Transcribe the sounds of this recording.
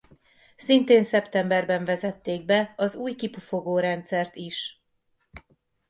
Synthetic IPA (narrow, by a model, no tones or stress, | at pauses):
sint̪eːnsɛpt̪ɛmbɛrbɛɱvɛzɛt̪ːeːɡ̚bɛɒzuːjkipufo̞ɡoːɾɛnt̪sɛrt̪iʃ